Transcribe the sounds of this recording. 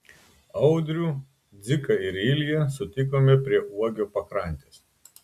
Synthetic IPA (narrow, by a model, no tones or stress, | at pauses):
ɐʊd̪ʲɾʲuː | d̪zʲɪkɐɪɾɪlʲɪjɛsʊt̪ʲɪk̬oːmʲɛpʲɾʲiɛʔuɔɡʲoːpɐkɾɐˑnʲt̪ʲeːs